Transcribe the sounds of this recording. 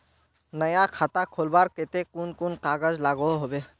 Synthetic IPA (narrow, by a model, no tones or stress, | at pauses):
nəjakʰaːt̪akʰoːlbaːɾket̪ekuːnkuːnkaːɡəzlaːɡoɦoːbeː